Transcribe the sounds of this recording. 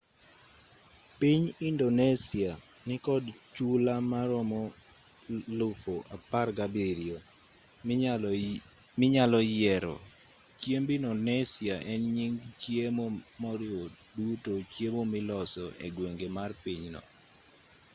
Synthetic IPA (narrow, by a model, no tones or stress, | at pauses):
piɲindonesia | nɪkɔdt͡ʃulamaɾɔmɔ | lʊfoʔaparɡabeɾio | mɪɲalɔjɛɾɔ̰ | t͡ʃjembinɔnɛsiaʔɛnɲiŋt͡ʃjemomɔɾɪo | dutot͡ʃjemomɪlɔsɔ̰ʔḛɡweŋɡemarpiɲnɔ̰